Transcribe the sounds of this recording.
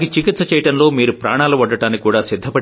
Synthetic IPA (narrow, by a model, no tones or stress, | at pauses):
ɡit͡ʃikit̪sɐt͡ʃɛjɐʈɐnlo̞ːmiːɾupɾaːɳaːluʋɐɖːɐʈaːnikuːɽaːsid̪ʱːɐpɐɽ